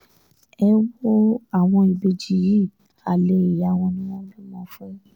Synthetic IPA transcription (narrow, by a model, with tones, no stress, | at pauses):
ɛ˦wo˦a˨w̃ɔ̃˧i˨be˧d͡ʒi˨˦ji˦˨ | a˨le˨˦i˨ja˨w̃ɔ̃˧nĩ˦wɔ̃˦li˦mɔ̃˦fũ˦